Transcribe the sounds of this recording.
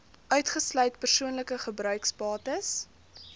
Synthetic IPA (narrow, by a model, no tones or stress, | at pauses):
ʔœɥtχəslœɥtpərsuənləkəχəbrœɥkspɑːtəs